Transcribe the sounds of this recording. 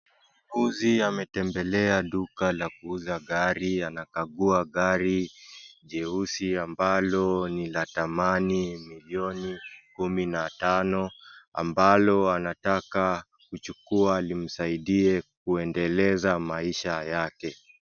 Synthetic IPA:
uziamɛtɛmbɛlɛaɗukalakuuzaɠaɾianakaɠuaɠaɾiʄɛusiambalɔnilatamanimiliɔnikuminatanɔa̰mbalɔanataka | kut͡ʃukualim̩saiɗiɛk̚uɛndɛlɛzamaiʃajakɛ

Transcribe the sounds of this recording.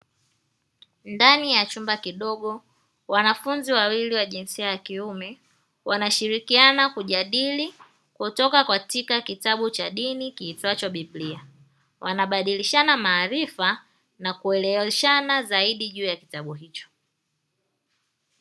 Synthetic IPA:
ndanijat͡ʃumbakiɗɔɠɔ | wanafunziwawiliwaʄinsiajakiumɛ | wanaʃiɾikianakuʄaɗili | kutɔkakwatikakitaɓut͡ʃaɗinikiːtwat͡ʃaɓiblia | wʔanaɓaɗiliʃanamaːɾifa | nakuɛlɛɛʃanazaiɗiʄuːjaki̥taɓuɦit͡ʃɔ̥

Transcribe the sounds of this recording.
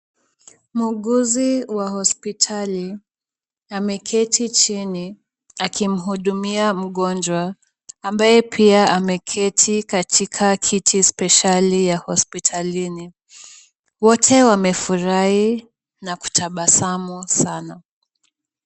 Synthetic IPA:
muɠuziwahɔspitʰali | amɛkʰɛtʰit͡ʃini | akʰim̩ɦuɗumiam̩ɠɔnd͡ʒwaː | mbajɛpʰiaamɛkʰɛtʰikatʰikʰakʰitʰispɛʃalijahɔspitʰalini | wɔtʰɛwamɛfuɾahi | naku̥tʰaɓasamusana

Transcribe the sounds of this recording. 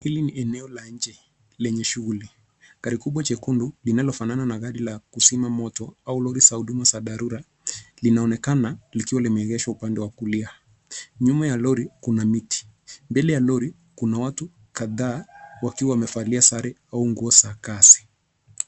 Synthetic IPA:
hiliniɛnɛɔlaɲd͡ʒɛ | lɛɲɛʃuɣuli | kaɾikuɓwat͡ʃɛkundulinalɔfanananaɣaɗilakusimamɔtɔaulɔɾisahuɗumasaðaɾuɾa | linaɔnɛkanalikiwalimɛɛɣɛʃwaupandɛwakulia | ɲumajalɔɾikunamiti̥ | mbɛlɛjalɔɾi | kunawatu | kaðaːwakiwawamɛfaliasaɾɛauŋɡuɔsakasi̥

